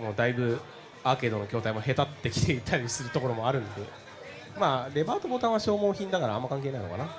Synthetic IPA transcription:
mo̞ːd̪aibɯ̟ | aːke̞d̪o̞no̞kʲo̞ːt̪aimo̞ɦe̞t̪at̪ːe̞kʲi̥t̪e̞it̪ʰːaɾʲisɨɾɯ̟t̪o̞ko̞ɾo̞mo̞aɾɯ̟̃nd̪e̞ | maːɾe̞baːt̪o̞boːt̪ãɰ̃βaɕo̞ːmo̞ːçĩnd̪akaɾaãmːakãŋk̬enaḭ̃noka̰na

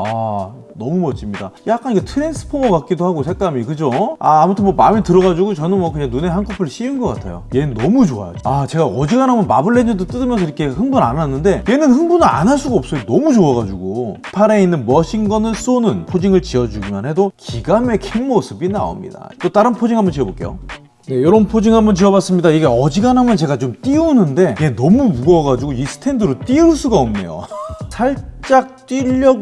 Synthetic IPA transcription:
anʌmumʌt͡ɕ͈ʰimɲida̰jak͈anikʰetʰɯɾe̞ns͈ʰɯ̥pʰomʌkat̚k͈idohaɡosʰe̞k͈amikɯd͡ʑoa̰ːmutʰɯnmwomamitɯɾʌɣad͡ʑuɡot͡ɕʌnɯnmwʌkɯɲaŋnune̞ɦankʰopʰɯɭɕ͈ʰiɯnɡʌk͈atʰa̰jo̰je̞nʌmut͡ɕoa̰ja̰d͡ʑoat͡ɕe̞ɡaʌd͡ʑiɡanɦamʌnmabɯɭːend͡ʑɯdot͈ɯdɯmjʌns̬ʰʌiɾʌkʰe̞hɯŋbuna̰nanːɯnde̞je̞nɯnhɯŋbunɯɾa̰naɭs͈uɡaʌp̚s͈ʌjonʌmud͡ʑoaɡad͡ʑuɡo | pʰaɾe̞inːɯnmʌɕʰiŋɡʌnɯɭs͈onɯnpʰod͡ʑiŋɯɭt͡ɕiʌd͡ʑuɡimja̰nhe̞dokiɡame̞kʰeŋmosʰɯbina̰o̰mɲḭda̰t͈ot͈aɾɯnpʰod͡ʑiŋɦambʌnt͡ɕiʌboɭk͈e̞jo̰ | ne̞jʌɾʌnpʰod͡ʑiŋambʌnt͡ɕiʌbas͈ɯmɲidaiɡe̞ʌd͡ʑiɡanɦamjʌnt͡ɕe̞ɡat͡ɕomt͈iunɯnde̞e̞nʌmumuɡʌɡad͡ʑuɡoisʰɯ̥tʰe̞ndɯɾot͈iɯɭs͈uɡaomne̞̰jo̰tʰaɭt͡ɕ͈ak̚t͈iʎːʌɡ

